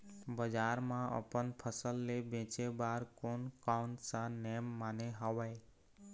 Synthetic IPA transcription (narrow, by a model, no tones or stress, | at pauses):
bəd͡ʒaːɾmãə̰pənpʰəsəlːebẽt͡ʃebaːɾkoːnkaʊɳʈsãnejmːaːneɦɔʋəe